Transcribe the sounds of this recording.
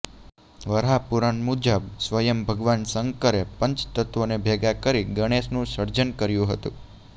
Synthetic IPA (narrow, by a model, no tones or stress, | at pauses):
ʋəɾɦapuɾanmud͡ʒəbsʋəjəmbʱəɡʋansəŋkəɾepəɲt͡ʃt̪ət̪ʋonebʱeɡakəɾiɡəɽ̃esnũsəɾd͡ʒənkəɾjũɦət̪ṵ̃